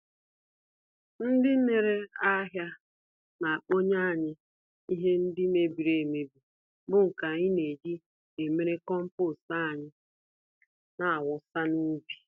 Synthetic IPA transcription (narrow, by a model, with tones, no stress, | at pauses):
n̩˦dɪ˦n̩˦ne˨ɾe˦a˦ɦja˦ | na˨a˨k͡po˦ɲa˦a˨ɲɪ˦ | i˦ɦe˦n̩˦dɪ˦me˦bi˨ɾe˨me˨bi˨ | bʊ˦ŋ̩˨ka˨ɲɪ˦ne˨di˦ | e˨me˦ɾe˦kɔ˦m̩˦pʊ˦˨sa˦a˨ɲɪ˦ | na˨a˨wʊ˨sa˦nu˦bi̥˨